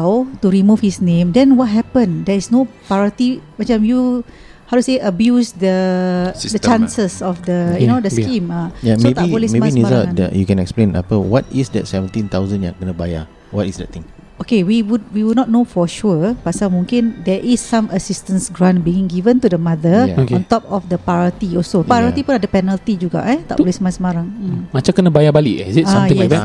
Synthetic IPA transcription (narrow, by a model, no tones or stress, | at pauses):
wtuɹimufhisnẽmdɛ̃nwɔt̚ɦɛpə̃ndɛisnopaɹət̪imat͡ʃãmju | hawduseʔəbjusdə | dət͡ʃãnsəsɔfdəjunodəskĩmajaebaiolimembisnizadə̰jukɛ̃nɛksplẽna̰pəwɔtisdɛ̰tsɛvə̃ntĩnt̪awzə̃nja̰ɡənəbajə̰ | wɔtisdɛ̰t̪ĩŋ | okewiwud̚wiwudnɔt̚nofɔʃuəpasamũŋkĩndɛʔisːãməsist̪ə̃nsɡɹãnbiĩŋɡivə̃nt̪udəmadəjkɔ̃nt̪ɔp̚ɔfdəpaɹət̪iɔsopaɾat̪ipũnadəpɛnəlt̪id͡ʒuɡa̰ʔɛt̪a̰ʔpolismasəmaɾaŋmat͡ʃãmkənabajabaliʔizitãjɛ